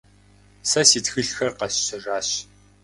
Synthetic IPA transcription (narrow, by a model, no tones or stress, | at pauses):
sɐsiːtxɨɬxɐrqɐɕːɪraːɕ